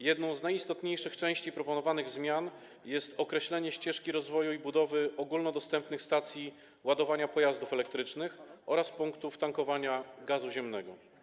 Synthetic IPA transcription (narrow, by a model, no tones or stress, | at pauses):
jɛd̪nɔ̃w̃znajist̪ɔt̪ɲejʂɘxt͡ʂɛ̃w̃ɕt͡ɕipɾɔpɔnɔvanɘɣzmʲjan | jɛst̪ɔkɾɛɕlɛɲɛɕt͡ɕɛʂkʲiɾɔzvɔjuibud̪ɔvɘɔɡulnɔd̪ɔst̪ɛmpnɘxst̪at̪sʲji | wad̪ɔvaɲapɔjazd̪ufɛlɛkt̪ɾɘt͡ʂnɘxɔɾaspuŋkt̪uft̪aŋkɔvaɲaɡazuʑɛmnɛɡɔ